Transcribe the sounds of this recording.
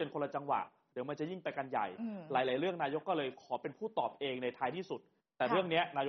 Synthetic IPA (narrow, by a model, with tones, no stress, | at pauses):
e˧nkʰo˧la˧t͡ɕa˧ŋwa̰˨˩ʔ | d̪ɯː˨˩˦ma˧nt͡ɕa˨˩ji˥˩ŋpa˧jka˧nja̰˨˩jlaː˩˦jlaː˩˦jɾɯ˥˩əŋnaː˧jo˦˥kːɔː˥˩lɤː˧jkʰɔː˩˦pe˧npʰuː˥˩t̪ɔː˨˩p̚ʔeː˧ŋna˧jt̪ʰaː˧jt̪ʰiː˥˩su˨˩t̪̚ːɛː˨˩ɾɯ˥˩əŋni˦˥ɐnaː˧jo˦˥